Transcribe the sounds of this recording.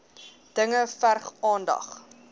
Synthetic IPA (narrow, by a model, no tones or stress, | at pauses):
d̥əŋəfærχɑːndɐ̰χ